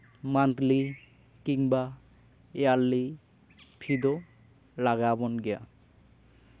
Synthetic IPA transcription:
mant̪li | kiŋba | ealːi | pʰid̪o | laɡabonɡea̰

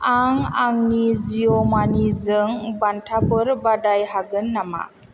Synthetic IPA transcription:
aŋaŋnizijɔmanizəŋbantʰabɯɾbadajhaɡɯnːama̰

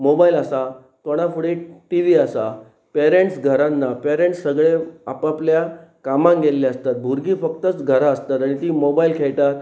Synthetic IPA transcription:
mobailasa | t̪oɽ̃ãfuɽeʈiʋiasa | peɾeɳʈsɡʱəɾanːapeɾeɳʈssːəɡɭeapapljakamãŋɡelːiast̪at̪̚bʱuɾɡiːfək̚t̪ət͡sɡʱəɾaəst̪at̪aɽ̃it̪iːmobailkʰeɭt̪at̪

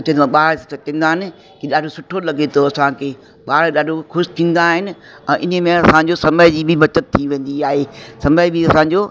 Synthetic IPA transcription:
t͡ɕɐ̃ĩt̪ãɓaːɭest̪ʰĩːnd̪aːɦɪnɪ̆ | kiɗaːɖʱosʊʈʰolɐɡet̪ʰoɐsãkʰeː | ɓaːɽeɗaːɖʱoxʊʃɪ̥t̪ʰĩːn̆d̪aɦɪnɪ̆ | ɛ̃ːʔɪnəmẽɐsãɲd͡ʑosɐməɪd͡ʑiːbʱɪbʱɐt͡ɕət̪ʰːiʋẽːn̆d̪iaːɦesɐməɪbʱiɐsãːɲ̆d͡ʑoː

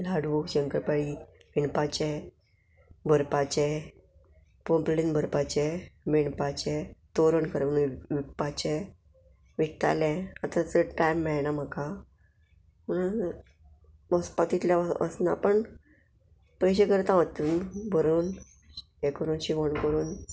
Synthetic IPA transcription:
laɽʋukɕə̃ŋkəɾpaɭiʋiɳpat͡ɕɛ | bʱəɾpat͡ɕɛ | pomplinbʱəɾpat͡ɕɛʋiɳpat͡ɕɛ̃t̪oɾəɳkəɾʋnʋik̚pat͡ɕɛ | ʋik̚t̪a̰lɛ̃at̪at͡səʈajmːɛɭnam̤əka | məɽ̃u | əspat̪it̪ljaə̰sna̰pəɳ | pəjɕ̬ekəɾt̪ãʋət̪ːunbʱəɾuːn | ekɾunɕiʋəɳkəɾuːn

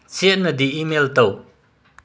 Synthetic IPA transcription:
t͡sʰiəʔnəd̪iʔimɛlt̪ɔw

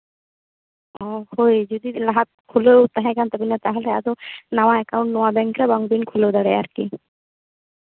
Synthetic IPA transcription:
ɔhojd͡ʒud̪ilaɦat̪̚kʰulewt̪aɦɛ̃kant̪ɔbinat̪aɦelea̰d̪onawaɛkaw̃ɳʈnɔwabɛ̃ŋkɾabaŋbinkʰulewd̪aɽea̰ɾki

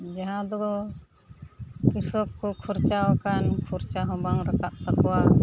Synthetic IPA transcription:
d͡ʒaɦãd̪ɔɡɔ | kisɔkkɔkʰuɾt͡ʃawakankʰuɾt͡ʃaɦɔ̃baŋɾakaʔt̪akɔwa

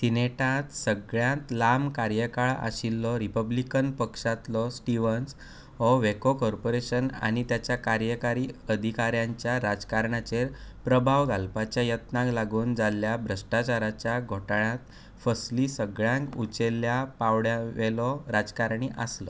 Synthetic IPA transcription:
sineʈat̪səɡɭjãt̪lamkaɾjəkaɭa̰ɕilːɔɾipəblikənpəkʂat̪lɔsʈiʋəns | ɦɔʋekokɔɾpoɾeɕəna̰ɽ̃it̪jat͡ɕjakaɾjəkaɾiːəd̪ʱikaɾjãɲt͡ɕjaɾad͡zkaɾɳat͡ɕeɾpɾəbʱaʋɡalpat͡ɕjajət̪nãklaɡuːnd͡zalːjabʱɾəʂʈat͡ɕaɾat͡ɕjaɡʱoʈaɳãt̪ | fəsliːsəɡɭjãŋkut͡ɕelːjapaʋɽjaʋelɔɾad͡zkaɾɳiʔaslɔ

